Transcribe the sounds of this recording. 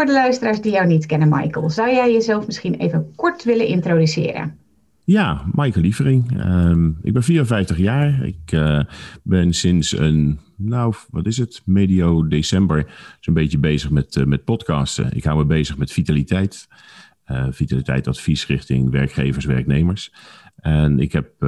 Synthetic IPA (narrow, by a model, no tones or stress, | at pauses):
fʊɹdəlœɥstəraːɹsdijɔwnitkɛnənma̰jkəlˠzawjɛjjəzɛlˠfmɪsxinḛːjvənkɔɹtʋɪlənʔɪntrodysɪ̰ːəɾə̰ | jaːmajkəlivərɪŋəɪ̰ɡ̚bɛnfiːrənfɛjftəχjaːɹɪ̰k | bɪnsɪnsənnowʋɑtɪsətmeːdiowdesɛmbəɹsonbeəbejzəχmɛtmɛt̚pɔtkɑːstə̰ʔɪ̰kɦawməbejzəχmɛtfitalitɛjt | fitalitɛ̰jtɑtfisrɪχtɪ̰ŋʋɛɹkχejvəɹsʋɛ̰ɹknejməɹsʔɛnɪ̰kɦɛp̚